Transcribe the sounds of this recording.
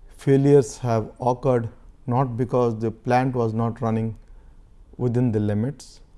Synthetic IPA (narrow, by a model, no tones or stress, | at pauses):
feːlijəɾshæʋɔːkəɾɖnɔːʈ̚bɪkɔːzd̪əplæ̃ːɳʈʋɔːznɔːʈɾʌnɪ̃ŋ | ʋɪd̪ɪ̃nd̪əlɪmɪʈs